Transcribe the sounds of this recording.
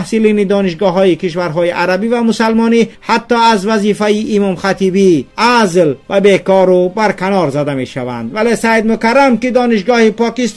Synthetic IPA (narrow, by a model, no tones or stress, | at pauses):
hsilinid̪ɔːniʃɡɔɦɔikiʃvaɾɦɔiʔaɾabivamusalmɔnihat̪ːɔazvæzifaiʔːmɔmχat̪ibiazlvæbekɔɾubaɾkʰanɔɾzad̪ame̞ʃava̰nd̪væle̞sad̪mʊkaɾamkid̪ɔːniʃɡɔːhipɔkist̪